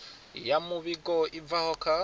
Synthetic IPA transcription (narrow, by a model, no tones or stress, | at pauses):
jamuβiɡoʔivahoka